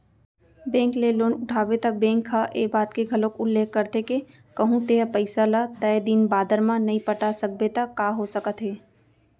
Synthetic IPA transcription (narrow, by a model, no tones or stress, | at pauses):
bɛ̃ːŋkleloːnʊʈʰaːbet̪abɛ̃ːŋkʰːaʔeːbaːt̪keɡʱɐlõkʊlːeːkʰːɐɾt̪eke | kɐɦũt̪eːapəɪsalat̪ɛjd̪iːnbaːd̪əɾmãnɐɦĩpəʈasɐk̚bet̪akaːɦosəkət̪ɦeː